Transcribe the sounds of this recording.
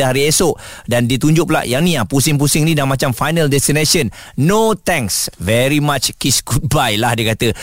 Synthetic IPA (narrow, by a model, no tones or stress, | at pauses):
əɦaɾiesoʔdandit̪uɲd͡ʒʊpla̰ʔjaŋnĩahpusɪŋp̬usɪŋnĩdamãt͡ʃamfajnəldɛst̪ineʃənː | ot̪ɛ̃ŋsvɛɾimat͡ʃkisɡut̪̚bajlahdiəkat̪ə